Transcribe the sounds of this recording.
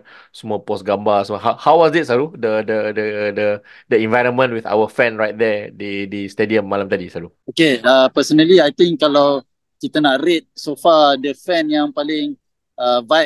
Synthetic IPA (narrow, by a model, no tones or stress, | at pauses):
səmɔpɔsɡãmbasəmɔɦahawɔsdɪt̚saɾudədədədə | dəɛ̃nvajɾə̃nmə̃nʔwiθa̰wəfɛ̃nɹajt̚d̪ɛdidistediə̃mːalamt̪adisaɾu | okeapəsənəliajt̪ɪ̃ŋkkːalaw | kit̪ənaʔɾit̪̚sofadəfɛ̃njãŋpalɪ̃ŋ | avaj̚